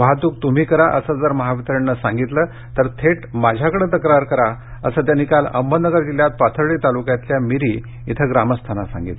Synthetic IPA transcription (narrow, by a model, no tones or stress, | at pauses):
ʋəɦat̪uːk̚t̪um̤iːkəɾaʔə̰səd͡zəɾməɦaʋit̪ɾəɳːəsãŋɡit̪lə | t̪əɾt̪ʰeʈmad͡ʑʱjakəɽet̪əkɾaɾkəɾa | ə̰səːt̪janikalə̰mbənəɡəɾd͡ʑiljat̪̚pat̪ʰəɾɭiːt̪alukjat̪ljamiɾiː | it̪ʰəɡɾaməst̪ʰanasã̰ŋɡit̪lə